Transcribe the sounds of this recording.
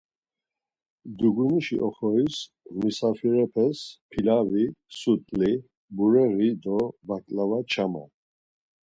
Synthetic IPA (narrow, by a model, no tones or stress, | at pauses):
d̪uɡuniʃḭʔɔχɔis | misafiɾɛpʰɛspʰilavisut̪ʼli | buɾɛɣid̪ɔvakʼlavat͡ʃʰama̰